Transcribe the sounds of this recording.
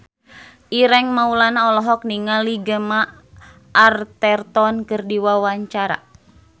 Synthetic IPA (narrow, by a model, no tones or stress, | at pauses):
ʔiɾɛŋmaulanaɔlɔɦɔk̚niŋaliɡəmaː | rt̪ɛrt̪ɔnkɨrdiwawaɲt͡ʃaɾa̰